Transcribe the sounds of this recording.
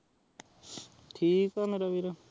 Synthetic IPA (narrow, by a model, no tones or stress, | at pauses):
tʰikameɾabiɾa